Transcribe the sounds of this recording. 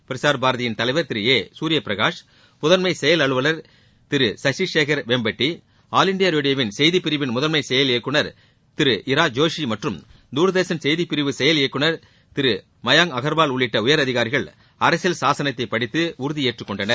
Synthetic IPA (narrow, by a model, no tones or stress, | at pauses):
pɪɾɪsaːɾbaːɾɐðɐjɪnt̪ɐlɐɪʋɐɾt̪ɪɾɯeːsuːɾɪjɐpɪɾɐɣaːʂ | mʊðɐnmɐɪsɛjɐlɐɭɯʋɐlɐɾ | t̪ɪɾɯsɐʂiʂeːkɐɾʋembɐʈːi | aːlɪɳɖɪjaɾoːɽɪjɐʋɪnsɛjðipːɪɾɪʋɪnmʊðɐnmɐɪsɛjɐleːkːɯɳɐɾ | t̪ɪɾɯʔɪɾaːd͡ʒoːʂimɐʈrɯm | d̪uːɾðeːsɐnsɛjðipːɪɾɪʋɯsɛjɐleːkːɯɳɐɾ | t̪ɪɾɯ | mɐjaːŋɐɣɐɾbaːlʊɭːɪʈːɐʊjɐɾɐðɪɣaːɾɪɣɐɭ | ɐɾɐsɪlsaːsɐnɐt̪ːɐɪpːɐɽɪt̪ːɯʊɾʊðieːʈrɯkːɔɳɖɐnɐɾ